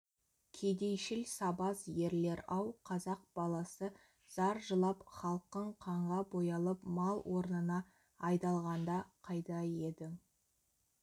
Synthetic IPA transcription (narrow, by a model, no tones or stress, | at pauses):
kʲʰed̪e̞jʃɪlsɑbɑzje̞ɾle̞ɾɑwqʰɑzɑq̚b̥ɑlˠɑsə | z̥ɑɾʒəlˠɑpχɑlˠq̚t̪əɴqʰɑɴʁɑbo̞jɑlˠəpmɑlˠwʔo̞ɾnənɑ | ɑjd̪ɑlˠʁɑnd̪ɑqʰɑjt̪ɑje̞d̪ɪ